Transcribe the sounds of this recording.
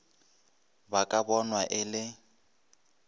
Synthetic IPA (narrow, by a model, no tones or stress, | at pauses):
bakʼabɔnwaʔɪlɪ